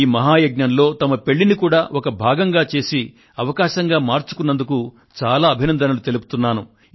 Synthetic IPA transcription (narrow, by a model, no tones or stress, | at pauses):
iːmɐɦaːjɐɡ̚ɲɐnlo̞ːt̪ɐmɐpe̞ɭːinikuːɽaːʔɔkɐbʱaːɡɐŋɡaːt͡ʃe̞ːsi | ɐʋɐkaːʃɐŋɡaːmaːɾt͡ʃu̥kunːɐnd̪uku | t͡ʃaːlaːɐbʱinɐnd̪ɐnɐlut̪e̞lupu̥t̪unːaːnu